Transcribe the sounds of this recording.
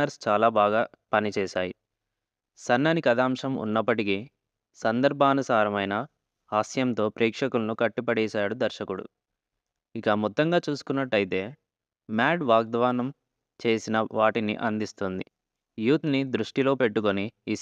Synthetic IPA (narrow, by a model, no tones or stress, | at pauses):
ɐɾst͡ʃaːlaːbaːɡaː | pɐnit͡ʃɛːʃaːji | sɐnːɐnikɐd̪aːmʂɐmṵnːɐpːɐʈiki | sɐnd̪ɐɾbʱaːnɐsaːɾɐmɐjnɐ | aːsjɐnt̪o̞ːpɾɛːkʂɐkulɐnukɐʈːipɐɽɛːʃaːɽud̪ɐɾʃɐkuɽṵ | ikɐmɔt̪ːɐŋɡaːt͡ʃuːsu̥kunːɐʈːɐjit̪e̞ː | maːɖʋaːɡ̚d̪ʋaːnɐm | t͡ʃe̞ːsinɐʋaːʈinḭʔɐnd̪ist̪ond̪ḭ | juːt̪nid̪ɾuʂʈilo̞ːpe̞ʈːuko̞nii